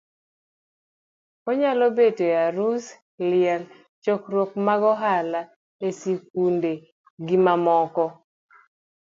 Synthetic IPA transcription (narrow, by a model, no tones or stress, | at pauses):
kɔɲalobetojaɾus | lɪɛl | t͡ʃɔkɾwokmaɡɔɦala | esik̚unde | ɡimamɔkɔ